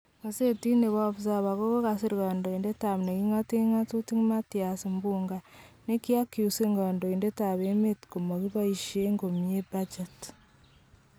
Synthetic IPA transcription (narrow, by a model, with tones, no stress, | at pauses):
βa˨se˦ti˦ne˨βa˦βu˨za˨βa˨ɣo˦ɣo˦ɣa˨s̬e˦ɾiɣaː˨ndo˨i˨nde˦ta˨m˨ne˨i˦ŋa˦te˦ŋa˦tu˦ti˦ŋ˦ma˦ti˨ja˨si˨mbuːŋɡa˨ne˦ki˦a˦ku˨se˦ŋɡa˨ndo˨i˨nde˦ta˨βe˦me˦tko˨mo˨ɣi˦βa˦iʃe˦ŋɡo˨mie˦bad͡ʒa˨t